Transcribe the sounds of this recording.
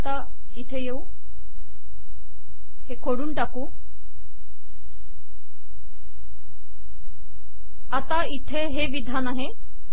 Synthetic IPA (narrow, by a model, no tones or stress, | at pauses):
t̪a | it̪ʰejeu | hekʰoɽunʈaku | ɐt̪ait̪ʰeɦeʋid̪ʱanaɦe